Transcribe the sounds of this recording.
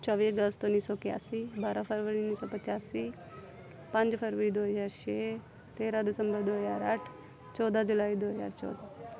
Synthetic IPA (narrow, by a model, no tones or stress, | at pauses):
t͡ʃɔʋiːəɡəst̪ʊnːiːsɔːkɪja̰ːsiːbaːɾaːpʰəɾʋəɾiːniːsɔːpət͡ʃaːsiː | pə̃ɲd͡ʒpʰəɾʋɾiːd̪oːɦəzaːɾʃeː | t̪eːɾaːd̪ɪsə̃mbəɾd̪oːəzaːɾəʈʰ | t͡ʃɔːd̪aːd͡ʒʊlaːiːd̪oːəza̰ːɾt͡ʃɔ̰ːd̪aː